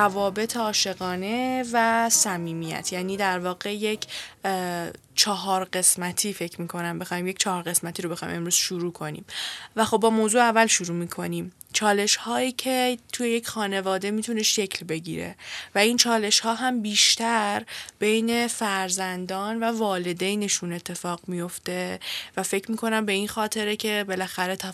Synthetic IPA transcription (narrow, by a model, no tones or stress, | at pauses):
ɾævɒːbe̞t̪ʰeɒːʃe̞ɣɒːne̞væsæmiːmijæ̰t̪ʰjæːniːd̪æɾvɒːɣe̞je̞cʰ | t͡ʃʰɒɦɒːɾɢe̞smæt̪ʰiːfe̞cʰmiːkʰo̞næmbe̞xɒːiːmjecʰt͡ʃʰɒhɒːɾɣe̞smæt̪ʰiːɾo̞be̞xɒːj̰mʔe̞mɾuːz̥ʃuɾuːkʰo̞nḭːmvæxo̞b̚bɒːmoːzuːævːælʃuɾuːmiːkʰo̞niːm | t͡ʃʰɒːle̞ʃhɒːiːcʰe̞t̪ʰujejecʰxɒːne̞vɒːd̪e̞mit̪ʰune̞ʃecʰlbe̞ɟḭːɾe̞̰væint͡ʃʰɒːle̞ʃhɒːɦæmbiːʃt̪æɾb̥ejne̞fæɾzænd̪ɒːnvævɒːle̞d̪ejne̞ʃune̞t̪ʰːe̞fɒːɣmijo̞ft̪e̞væfe̞cʰmiːkʰo̞næmbe̞inxɒːt̪ʰe̞ɾecʰe̞be̞læxæɾe̞t̪ʰæ